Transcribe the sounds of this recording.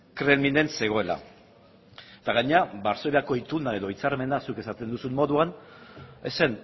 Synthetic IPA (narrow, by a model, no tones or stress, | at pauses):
kɾelmind̪e̞nse̞ɣ̞o̞e̞la̰ | t̪aɣaɲeabaɾso̞βeako̞it̪unae̞ðo̞it͡saɾme̞nasuke̞sat̪e̞nd̪usunmo̞ðuan | e̞se̞n